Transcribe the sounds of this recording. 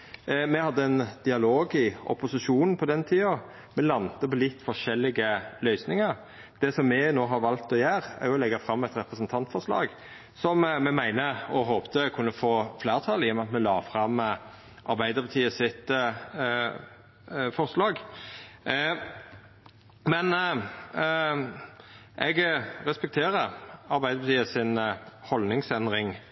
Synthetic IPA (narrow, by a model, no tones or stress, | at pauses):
mɛhɑd̪ːəɛnd̪̥ɪɑloːɡɪɔ̰pʊsɪʃuːnn̩pʰɔd̪ɛnt̪ʰiːɑ | mɛlɑnt̪əpɔlɪt̪ːfɔʂɛlːɪɡəlœʏsnɪŋəɾ | d̪̥ɛsɔmːɛnoːɦɑɾʋɑlt̪ɔjæːɾæ̰ɾjʊɔlɛɡːɑfɾɑmːɛt̪ɾɛpɾəsənt̪ʰɑnt̪fɔʁɾʂlɑ̰ːɡ | sɔmmɛmæɪnəɔɦoːpt̪əkʰʉnːəfoːfleːʁt̪ʰɑːlɪjɔmɑt̪mɛlɑːfɾɑmːə | ʔɑɾbæɪd̪əpʰɑt̪ʰiːəsɪt̪ | fɔʁslɑːɡ | mɛn | ʔɛɡɾɛspɛk̚t̪ʰeːɾəɑɾbæɪd̪əɾpʰɑt̪ʰiːəsɪnhɔlnɪŋsɛnd̪ɾɪŋ